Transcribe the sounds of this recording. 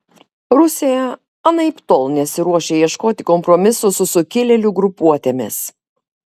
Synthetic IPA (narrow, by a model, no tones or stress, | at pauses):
ɾʊsʲejɛ | ɐnɐɪpʲt̪ɔlˠnʲɛsʲɪɾuɔʃʲeɛiɛʃkoːt̪ʲɪkɔmpɾɔmʲɪsʊsʊsʊkʲɪlʲɛlʲuɡɾʊpuɔt̪ʲemʲɪ̰s